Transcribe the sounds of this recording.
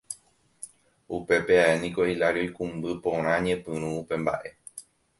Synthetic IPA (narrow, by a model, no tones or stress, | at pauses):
upe̞pe̞aenĩko̞ilaɾio̞jkũmbɨpõ̞ɾ̃ãɲẽ̞pɨ̃ɾ̃ũupe̞mba̰ʔe̞